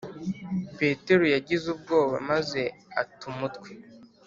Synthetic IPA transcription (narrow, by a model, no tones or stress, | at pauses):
pe̞ːte̞ɾujaɟizub̚ɡo̞ːwa̰maze̞atumutkwe